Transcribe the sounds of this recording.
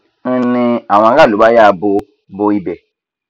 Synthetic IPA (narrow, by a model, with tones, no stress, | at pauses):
ni˦ã˨wã˨˦ɡa˦˨lu˨ba˦ja˦˨bo˦ | bo˦i˦bɛ˨